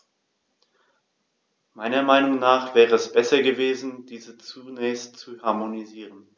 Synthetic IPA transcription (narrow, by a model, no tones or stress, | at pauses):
maɪnɐmaɪnʊŋnaːχv̥ɛːʁəɛsb̥ɛsɐɡəveːzn̩d̥iːzət͡sunɛːçstt͡suhaɐmoniziːʁən